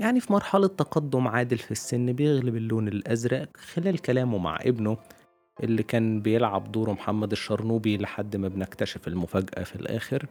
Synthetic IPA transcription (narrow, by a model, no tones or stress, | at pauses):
jaʕnifimɑɾˤħɑlɑt̪ːɑqɑd̪ːomʕaːd̪elfisːenːbejeɣlɪbelːoːnelʔæzɾˤæʔkxelæːlkælæːmwma̰ʕʔebno | ʔelːikæːnbejelʕa̰bd̪oːɾomħamːæd̪eʃːɑɾˤnuːbileħad̪ːmæbnekt̪æʃæfelmʊfæːɡʔæ̰filʔæ̰ːxeɾ